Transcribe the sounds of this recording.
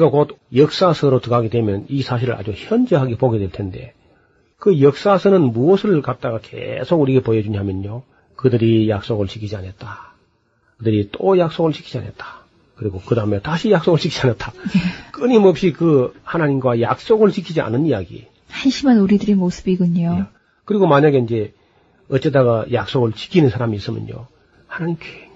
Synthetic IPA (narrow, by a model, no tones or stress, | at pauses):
kakod̚jʌk̚s͈asʰɯɾotɯɡaɡedwe̞mjʌnisʰaɕ̬ʰiɾɯɾa̰d͡ʑuçjʌnd͡ʑʌɦaɡepoɡe̞dweɭtʰe̞nde̞̰ | kɯjʌk̚s͈asʰɯnɯnmuʌsʰɯɭkat̚t͈aɡakḛsʰoɡuɾiɡepojʌd͡ʑuɲamjʌɲo | kɯdɯɾijak̚s͈oɡɯɭt͡ɕʰikʰid͡ʑia̰net̚t͈a | kɯdɯɾit͈ojak̚s͈oɡɯɭt͡ɕʰi̥kʰid͡ʑia̰net̚t͈ḁ | kɯɾiɡokɯdaɯmetaɕʰijak̚s͈oɡɯɭt͡ɕikʰi̥d͡ʑianat͈anek͈ɯɲimʌp̚ɕ͈ikɯhanaɲimɡwaja̰k̚s͈oɡɯɭt͡ɕikʰid͡ʑia̰nɯnijaɡḭ | hanɕʰimanuɾidɯɾemosɯ̥biɡuɲo | kɯɾiɡomaɲaɡe̞ind͡ʑe̞ | ʌt͡ɕ͈et͈aɣajak̚s͈oɡɯɭt͡ɕi̥kʰinɯnsʰaɾamiːs͈ɯmjʌ̰njo̰ | hanaɲimk͈e